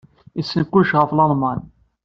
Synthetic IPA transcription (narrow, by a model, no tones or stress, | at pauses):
isːənkːuʃʁəflɑðˤmɑn